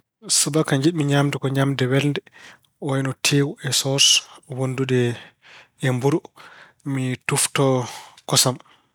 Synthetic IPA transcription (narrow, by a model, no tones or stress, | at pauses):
subakaɲd͡ʒiɗmiɲamdɛkɔɲamdɛwɛlndɛ | ɔjnɔtʰewuɛsɔswonduɗɛ | ɛmbuɾu | mituftɔkɔsam